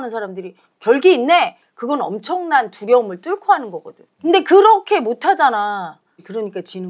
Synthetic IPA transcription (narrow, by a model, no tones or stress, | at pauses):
nɯnsʰaɾamdɯɾi | kjʌɭɡiːnːe̞ | kɯɡʌnʌ̰mt͡ɕʰʌŋnantuɾjʌɯmɯɭt͈uɭkʰoɦanɯnɡʌɡʌdɯɲkɯnde̞kɯɾʌkʰe̞motʰad͡ʑana | kɯɾʌɲik͈at͡ɕin